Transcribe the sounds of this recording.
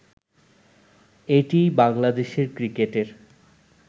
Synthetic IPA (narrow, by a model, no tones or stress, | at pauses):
eʈibaŋlad̪eʃeɾkɾikeʈeɾ